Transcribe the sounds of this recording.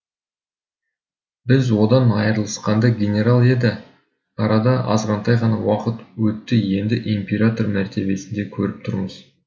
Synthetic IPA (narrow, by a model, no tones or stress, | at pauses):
bɪzwo̞d̪ɑnɑjəɾlˠəsqɑnd̪ɑɡʲenʲe̞ɾalˠe̞d̪ɪ | ɑɾɑd̪ɑʔɑ̰zʁɑnt̪ʰɑjʁɑnɑwɑqət̪wɵt̪ːɪje̞nd̪ɪʔimpʲeɾat̪o̞rmæɾt̪e̞be̞sɪnd̪e̞kʲʰɵɾɪp̚t̪ʰʊɾməz̥